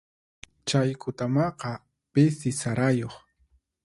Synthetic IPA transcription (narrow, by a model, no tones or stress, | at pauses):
t͡ʃajkʊt̪amɑqɑ | pɪsɪsaɾajoχ